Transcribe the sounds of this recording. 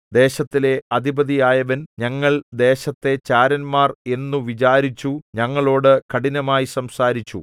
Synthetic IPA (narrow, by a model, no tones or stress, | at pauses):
d̪e̞ːɕɐt̪ːile̞ɐd̪ibɐðijaːjɐʋɐnɲɐŋːɐɭd̪e̞ːɕɐt̪ːe̞t͡ɕaːɾɐnmaːre̞nːuʋit͡ɕaːɾit͡ɕːuɲɐŋːɐɭo̞ːɽɨkɐɽinɐmaːjisɐmsaːɾit͡ɕːṵ